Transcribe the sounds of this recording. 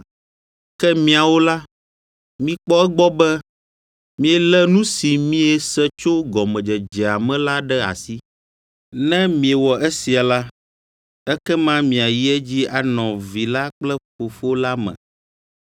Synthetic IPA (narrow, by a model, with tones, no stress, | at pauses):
kɛ˦mĩ˦a˨wo˦la˦ | mĩ˦k͡pɔ˦ɛ˦ɡ͡bɔ˦bɛ˦ | mĩ˦ɛ˨lɛ˦nũ˦si˨mĩ˦ɛ˦sɛ˦t͡ʃo˦ɡɔ˨mɛ̃˨d͡ʒɛ˨d͡ʒɛ˨a˨mɛ̃˦la˦ɖɛ˦a̰˨si˦ | nɛ̃˦mĩ˨ɛ˨wɔ˨ʔɛ˦si˨a˨la˦ | ɛ˦kɛ˦mã˦mĩ˨a˨ji˦ɛ˦d͡ʑi˦a˨nɔ̃˨vi˨la˦k͡plɛ˦fo˨fo˦la˦mɛ̰̃˨